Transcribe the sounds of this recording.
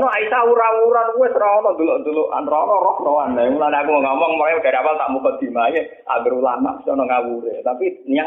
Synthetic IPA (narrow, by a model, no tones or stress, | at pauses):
nɔaisawuɾawuɾankuwɛsɾɔɔnɔd̪ulɔʔd̪uloʔʔa̰nrɔɔnɔɾɔkrɔwanaŋulaneakumɔŋɔmɔŋmɔlajɡ̥aɾiawalt̪aʔmukɔd̪̥i̤maje | a̰bəɾulama̰ʔbi̥sɔnɔŋawuɾet̪apinia